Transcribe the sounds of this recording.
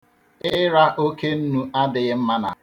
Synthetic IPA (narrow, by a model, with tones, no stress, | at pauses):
ɪ˦ɾa˦ʔo˦ke˦n̩˦nu˦ʔa˦dɪ˨ɣɪ˦m̩˦ma˦na̰˨